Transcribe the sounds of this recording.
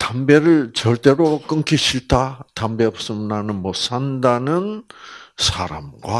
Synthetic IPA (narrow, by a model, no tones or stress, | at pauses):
t̪ambe̞ɾɯɭt͡ɕʌɭt͈e̞ɾok͈ɯŋkʰiɕʰiɭt͈at̪ambe̞ʌps͈ɯmnanɯnmos͈ʰandanɯn | sʰaɾa̰mɡwa